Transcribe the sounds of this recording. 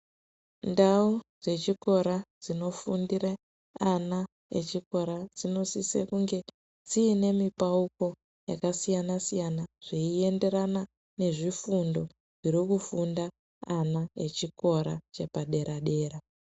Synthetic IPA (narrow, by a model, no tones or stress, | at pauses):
ndaud͡ze̞t͡ʃiko̞ɾad͡zino̞fundire | ana | ḛt͡ʃiko̞ɾad͡zino̞sisḛkuŋɡe̞ | d͡ziːne̞mipauko̞ | ja̰kasijanasijanaʐ̥iie̞nde̞ɾana | ne̞ʐifundo̞ | ʐiɾikufundaː | naḛt͡ʃikʰo̞ɾa̰t͡ʃe̞paɗe̞ɾaɗe̞ːɾa